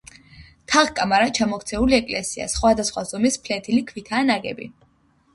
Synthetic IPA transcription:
t̪ʰaʁkʼamaɾat͡ʃʰamɔkʰt̪sʰɛuliɛkʼlɛsia̰sχwad̪asχwazɔmispʰlɛt̪ʰilikʰvit̪ʰaːnaɡɛ̰bḭ

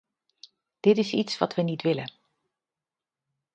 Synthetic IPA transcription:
d̥ɪtɪsitsʋɑtʋənitʋɪlən

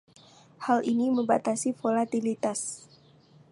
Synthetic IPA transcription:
halʔiniməmba̰t̪asifolat̪ilit̪as

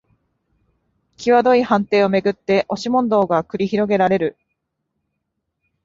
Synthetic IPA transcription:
kʲiβad̪o̞ihãnt̪e̞ːo̞me̞ɡɯ̟t̪ːe̞ʔo̞ɕimõ̞nd̪o̞ːɡakɯ̟ɾʲiçiɾo̞ɡe̞ɾaɾe̞ɾɯ̟

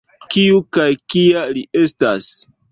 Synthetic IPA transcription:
kiukajkialiʔe̞stas

